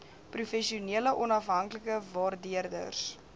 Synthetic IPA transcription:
prufɛʃiuniələʔɔnɐfɦɐŋkləkəvɑːrdiərdə̰rs

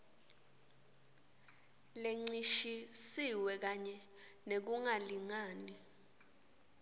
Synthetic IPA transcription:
leŋ͡ǀiʃisiwɛk̬aɲɛnek̬uŋaliŋaːni

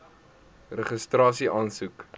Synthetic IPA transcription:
rəχəstrɑːsiʔɑːnsuk

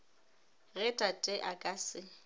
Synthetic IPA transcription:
ɣɛtʼatʼɪʔakʼasɪ

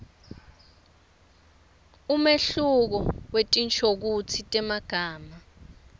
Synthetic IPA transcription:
umeɬuk̬ɔwetʼint͡ʃʰok̬ut͡sʰitʼɛmaɡ̥ʱaːma

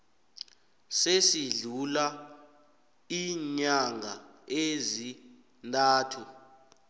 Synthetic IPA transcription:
sesiɮula | iɲaŋʱaezi | ntʼaːtʰu

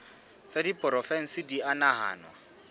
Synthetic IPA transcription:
t͡sʼadipʼɔɾɔfɛŋ̩sɪdianaɦa̰ːnwa

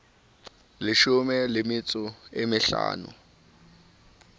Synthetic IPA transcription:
lɪʃʊmɛlɪmɪt͡sʼʊemɪɬa̰ːnʊ̰

